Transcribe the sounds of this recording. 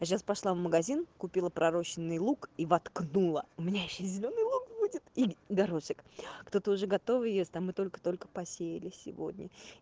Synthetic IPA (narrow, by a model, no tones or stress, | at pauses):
aɕ̬aspɐʂlˠavməɡɐzʲinkʊpʲilˠəpɾɐɾo̞t͡ɕɪnːɨjlˠukivɐt̪knulˠəʊmʲɪnʲajɪɕːezʲɪlʲo̞nːɨjlˠukbudʲɪt̪iɡɐɾoʂɨkkt̪o̞t̪əʊʐɛɡɐt̪o̞vɨjesʲt̪ʲamɨt̪o̞lʲkə̥t̪o̞lʲkə̥pɐsʲejɪlʲɪsʲɪ̰vo̞̰dʲnʲʔə